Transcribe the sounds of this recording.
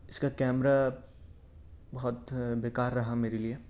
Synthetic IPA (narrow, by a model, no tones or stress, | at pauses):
ɪskakɛːmɾa | bɐɦɔt̪beːkaːɾːɐɦameːɾelie